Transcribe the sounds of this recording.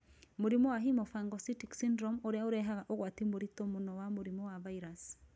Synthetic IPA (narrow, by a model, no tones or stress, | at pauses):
moɾimɔwaɦimɔfaŋɡɔsitiksindɾɔmoɾeaoɾɛɦaɣaʔoɣwat̪imoɾitɔmonɔwamoɾimɔwavaiɾas